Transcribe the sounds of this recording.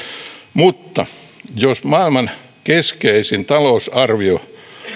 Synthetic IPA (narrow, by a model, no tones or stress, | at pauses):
mut̪ːɑ̰josmɑilmɑn | keskeisint̪ɑlousɑrʋio